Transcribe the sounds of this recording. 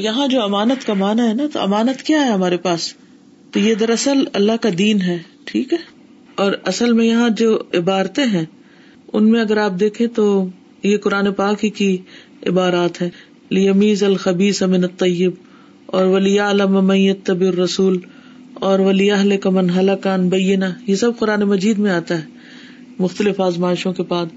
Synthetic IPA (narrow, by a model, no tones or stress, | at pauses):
jɐɦãd͡ʒoːɐmaːnət̪kamaːnaɦɛnat̪o̰ɐ̰maːnət̪kjaɦɛɦɐmaːɾepaːs | t̪ojed̪ɐɾɐsəlɐ̰lːaɦkad̪iːnɦɛːʈʰiːkɦɛː | ɔːɾɐsəlmẽjɐɦãd͡ʒoːɪbaːɾt̪eɦɛ̃ː | ʊnmẽɐɡəɾaːp̚d̪eːkʰẽt̪o | jekʊɾaːnepaːkiki | ɪ̰baːɾaːt̪ɦɛː | lɪjɐmiːzɐlxɐbiːsɐmɪnɐt̪ˤːɑjːɪb̚ | ɔːɾʋɐlɪjaːlɐmamɐ̃njɐt̪ːɐbɪrːɐsuːl | ɔːɾʋɐlɪɐɦlɪkamɐnɦɐlɐkaɐnbɐjːɪnajesɐb̚qʊɾaːnemɐd͡ʒiːd̪mẽaːt̪aɦɛː | mʊxt̪əlɪfaːzmaːɪʃõkebaːd̪